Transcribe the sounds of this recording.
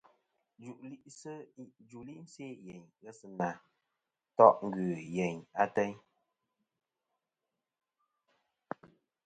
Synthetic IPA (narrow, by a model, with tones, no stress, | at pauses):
d͡ʒu˨ʔli˦ʔsə˦d͡ʒu˨li˦ʔn̩˦se˦˨jɛ˨ɲɣɛ˦sɨ˦˨na˨ | tɔ˦ʔŋ̩˦ɡɥʉ˨jɛ˨ɲa˦tɛ˦ɲ